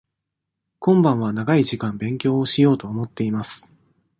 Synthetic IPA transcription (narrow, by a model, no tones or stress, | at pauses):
kõ̞mbãɰ̃βanaɡaiʑikãmbẽ̞ŋkʲo̞ːoɕijo̞ːt̪o̞ːmo̞t̪ːe̞imasɨ̥